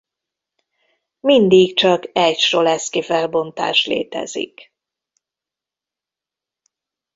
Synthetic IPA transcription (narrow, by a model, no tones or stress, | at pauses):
mind̪ikt͡ʃɒkɛcʃrolɛskifɛlbo̞nt̪a̰ːʃlḛːt̪ɛ̰zḭk